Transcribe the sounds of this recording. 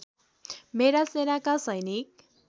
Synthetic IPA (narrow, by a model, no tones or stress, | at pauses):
meɾasenakasʌjnik̚